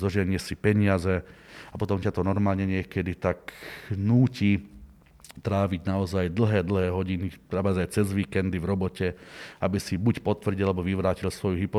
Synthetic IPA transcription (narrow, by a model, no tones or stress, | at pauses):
zɔʒɪɛɲɪɛsipɛɲɪazɛapɔt̪ɔmcat̪ɔnɔɾmaːlɲɛɲɪɛkɛd̪it̪aknuːci | t̪ɾaːʋiɟnaɔzajd̪l̩ɦɛːd̪l̩ɦɛːɦɔɟiniabzajt͡sɛzʋiːkɛnd̪ivɾɔbɔcɛabisibucpɔt̪ʋrɟilalɛbɔʋiʋɾaːcilsʋɔjuɦipɔ